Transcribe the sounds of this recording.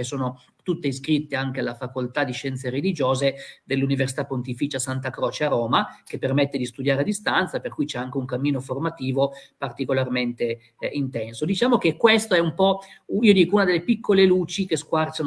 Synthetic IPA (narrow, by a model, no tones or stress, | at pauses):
esoːno | t̪ut̪ːeiskɾit̪ːeaŋk̟ealːafakolt̪ad̪iʃɛnt̪seɾelid͡ʒoːzed̪elːuniversi̥t̪apːont̪ifiːt͡ʃasant̪akɾɔːt͡ʃeaɾoːmak̟epːermet̪ːed̪ist̪ud̪jaːɾead̪ist̪ant̪saperkujt͡ʃɛaŋk̟euŋkamːiːnoformat̪iːvopart̪ikolarment̪e | int̪ɛnsod̪it͡ʃaːmok̟ekːwest̪oɛumpɔiːod̪iːkounad̪elːepikʰːoleluːt͡ʃikeskwart͡ʃan